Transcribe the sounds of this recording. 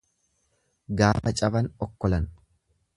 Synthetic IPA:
ɡaːfɐt͡ʃʼɐbɐnɔkːɔlɐn

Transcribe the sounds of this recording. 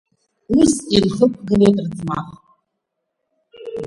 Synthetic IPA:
uzilħəp̚ʷʰɡɨrejtʼrd͡zmaχ

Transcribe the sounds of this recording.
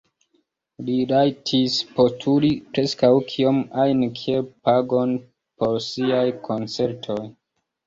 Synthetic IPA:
lilajtʰispo̞tʰuɾipɾe̞skawkʰio̞majnkʰiepaɡo̞n | po̞ɾsiajkʰo̞nt͡se̞ɾtʰo̞j

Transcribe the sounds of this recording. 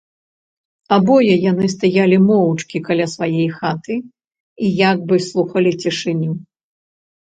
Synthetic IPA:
abɔjɛjanɨs̬t̪ajalʲimɔwt͡ʂkʲikalʲasvajɛjxat̪ɨ | ijaɡ̚bɨslˠuxɐlʲit͡sʲɛʂɨnʲu

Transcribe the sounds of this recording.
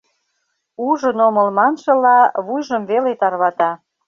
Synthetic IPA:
uʒənoməlmɑnʃə̆lɑβujʒəmβelet̪ɑrβɑt̪ɑ

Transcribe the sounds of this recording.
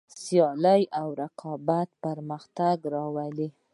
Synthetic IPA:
sjɑləjawɾaqʰɑbat̪̚pəɾməxt̪aɡɾɑwəli

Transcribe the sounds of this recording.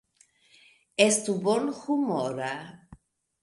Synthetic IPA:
est̪ubonxumoɾa

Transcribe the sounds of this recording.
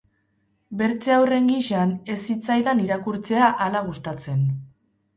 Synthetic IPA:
be̞ɾt͡seawre̞ŋɡiʃane̞sit͡sajðaniɾakuɾt͡se̞aʔalaɣ̞ust̪at͡se̞n

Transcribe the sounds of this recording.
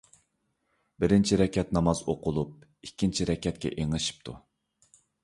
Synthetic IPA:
bɪɾɪnt͡ʃʰiɾɛkʲʰɛt̪nɑmɑzoqʰʊlˠup̚ikʲʰːint͡ʃʰiɾɛkʲːɛt̪̚kʲɛ̰ʔeŋɨʃi̥p̚t̪ʰu

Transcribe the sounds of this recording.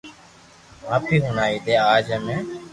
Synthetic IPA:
maːpʰiːɦunaːiːd̪eːaːd͡ʒɛmẽː

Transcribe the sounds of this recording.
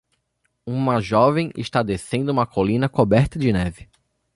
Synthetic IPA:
ũmɐʒɔvẽj̃ʔɪ̰ʃt̪ad̪esẽnd̪ʊũmɐkʰolĩnɐkobɛɾt̪ɐd͡ʒɪnɛvɪ

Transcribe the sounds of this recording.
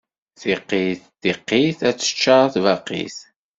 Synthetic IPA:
θiqːiθθiqːiθæt͡sːə̥t͡ʃːaɾˤθvɑqːḭθ

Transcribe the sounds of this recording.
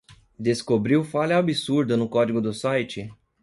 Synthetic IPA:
d̪eskobɾiwfalʲɐabisuɾd̪ɐnʊkɔd͡ʒiɡʊd̪ʊsajt͡ʃɪ

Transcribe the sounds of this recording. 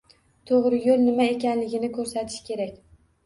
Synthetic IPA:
t̪ʰoʁɾɪjolˠnɪmae̞kʲanlɪɡʲɪnɪkʰɵɾsat̪ʰɪ̥ʃkʲʰe̞ɾakʲ

